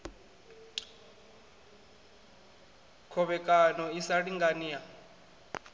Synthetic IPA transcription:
kʰɔɓɛkʼanɔisaɺiŋɡanija

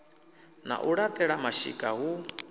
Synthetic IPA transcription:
na̰ʔuɺat̪ʼɛɺamaʃḭkʼaɦu

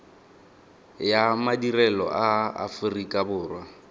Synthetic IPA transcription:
jamadirɛlɔ̰ʔaa̰fʊrikʼabʊːrwa

